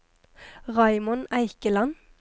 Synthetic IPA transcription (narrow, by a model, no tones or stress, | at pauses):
ʁɑɪmʊnæɪkəlɑn